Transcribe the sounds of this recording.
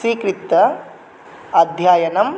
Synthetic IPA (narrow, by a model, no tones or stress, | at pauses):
siːkɾit̪ːɐ | ɐd̪ʱjaːjɐnɐm